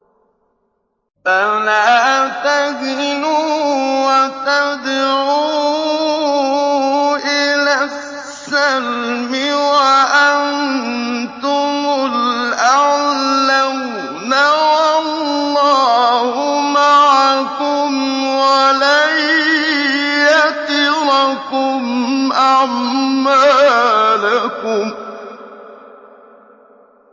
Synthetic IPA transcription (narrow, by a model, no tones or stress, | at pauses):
banat̪aɡɪnuːwat̪ad̪ʕuː | ʔɪlassː | almɪwaʔan | t̪ʊmʊlʔaʕla | nawallːɑːhʊmaʕakʊmwalaj | jat̪ɪlakʊmʔaʕmːa | lakʊm